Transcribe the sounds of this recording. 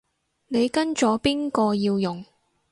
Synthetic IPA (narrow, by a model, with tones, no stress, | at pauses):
ne˨˧jkɐ˥nt͡ʃɔː˨˥piː˥nkɔː˧jiː˧wjʊ˨ŋ